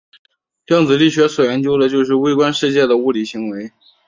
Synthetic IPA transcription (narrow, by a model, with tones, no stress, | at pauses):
ljɑ˥˩ŋt͡sɹ̩˨˩li˥˩ɕɥɛ˧˥swɔ˨˩jɛ˧˥nt͡ɕjo˥ʊd̪ə˨t͡ɕjo˥˧ʊʂ̬ɻ̩˥˩˧we˥ɪkwa˥nʂɻ̩˥˧t͡ɕjɛ˥˩d̪ə˩u˥˩li˨˩ɕi˧˥ŋwe˧˥ɪ